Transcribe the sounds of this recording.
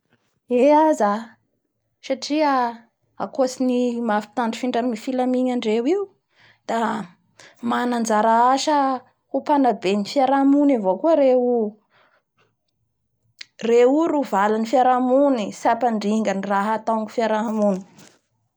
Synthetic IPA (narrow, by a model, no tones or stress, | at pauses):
eaza | saʈ͡ʂiə | a̰kosinimafi̥t̪aɳɖ͡ʐi̥fiɳɖ͡ʐamifilamiɲaɳɖ͡ʐewiu | d̪̥a | manand͡ʒaɾaaʃə | hupanabenifiaɾamunavokuəɾeu | reuɾuvalanifiaɾamunisapaɳɖ͡ʐiŋɡəniraɦat̪aŋɡufiaɾamuni̥